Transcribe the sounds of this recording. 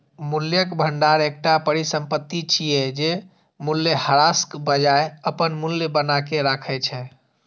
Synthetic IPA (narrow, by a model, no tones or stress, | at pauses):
muljəkbʱəɳɖaɾek̚ʈapəɾisə̃mpət̪ːit͡ʃʰijɛd͡ʒe | muljəhəɾaskbəd͡ʒaeəpənmulːjəbənakeɾakʰɛt͡ʃʰɛ